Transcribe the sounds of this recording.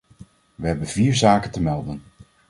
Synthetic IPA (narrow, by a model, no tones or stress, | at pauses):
ʋəɦɛbənviːɹzaːkəntəmɛlˠdən